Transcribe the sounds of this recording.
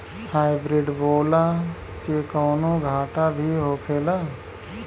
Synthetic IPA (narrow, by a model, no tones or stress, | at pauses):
haːɪbɾɪɖboːlaː | kekɔːnõːɡʱaːʈaːbʱiːɦoːkʰeːlaː